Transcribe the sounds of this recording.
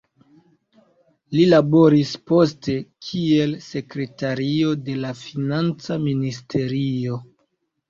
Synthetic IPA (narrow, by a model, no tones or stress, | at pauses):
lilabo̞ɾispo̞ste̞kʰie̞lse̞kɾe̞taɾio̞delafinant͡saministʰe̞ɾio̞